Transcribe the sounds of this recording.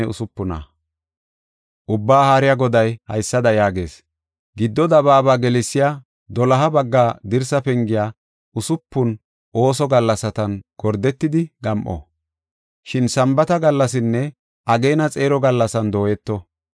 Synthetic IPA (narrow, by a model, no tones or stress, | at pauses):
ɛʊ̰sʊpːʊnɐ̰ | ʔʊbːaːhaːɾɪjaɡɔd̪ɐjhɐ̰jsːɐd̪ɐjaːɡe̞̰ːs | ɡɪd̪ːɔd̪ɐβaːbaːɡɛlɛsːɪjaː | d̪ɔlɐɦɐbɐɡːaːd̪ɪɾsɐpɛŋɡɪjaː | ʔʊsʊpːʊn | ʔo̞ːsɔɡɐlːɐsɐt̪ɐnɡ̥ɔɾd̪ɛt̪ːɪd̪ɪɡɐmʔɔ̰ | ʃɪnsɐmbɐt̪ɐɡɐlːɐsɪnːɛ | ʔɐɡejnɐt͡sʼeːɾɔɡɐlːɐsɐnd̪o̞ːjɛt̪ːɔ